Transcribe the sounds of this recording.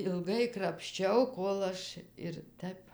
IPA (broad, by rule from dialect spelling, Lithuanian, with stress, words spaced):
ɪlˠˈɡɐɪ krɐpʲʃʲˈt͡ʃʲɛʊ ˈkoːlˠ ɐʃ ɪr ˈtəp